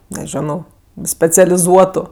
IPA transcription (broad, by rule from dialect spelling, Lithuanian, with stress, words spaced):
nʲɛˈʒʲæːnɐʊ sʲpʲɛt͡sʲɛlʲɪˈzuɔtʊ